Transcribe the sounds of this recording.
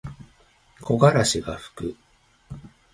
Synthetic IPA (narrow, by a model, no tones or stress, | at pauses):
kʰo̞ɡaɾaɕiɡaɸɯ̥kɯ